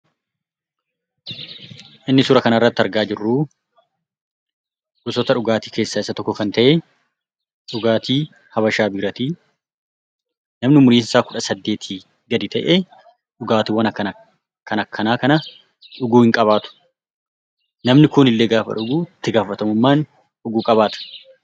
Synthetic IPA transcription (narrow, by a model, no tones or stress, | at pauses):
ʔɪnːɪsʊɾɐkɐnɐrːɐt̪ːɪɐɾɡaːd͡ʒɪrːu | ʔʊsɔt̪ɐᶑʊɡaːt̪iːke̞ːsːaːɪsːɐt̪ɔkːɔkɐnt̪ɐʔe | ᶑʊɡaːt̪iː | hɐbɐʃaːbɪɾɐt̪iː | nɐmnɪmʊɾiːnsaːkʊᶑɐsɐd̪ːe̞ːt̪ʰiː | ɡɐd̪ɪt̪ɐʔeː | ᶑʊɡaːt̪ɪwɐnɐkːɐn | kɐnɐkʰːɐnaːkɐnɐ | ᶑʊɡuːhɪŋkʼɐβaːt̪ʊ̥ | nɐmnɪkʊnɪlːeːɡaːfɐ̰ᶑʊɡuːɪt̪ːɪɡaːfɐt̪ɐmʊmːaːn | ᶑʊɡuːkʼɐbaːt̪ɐ̥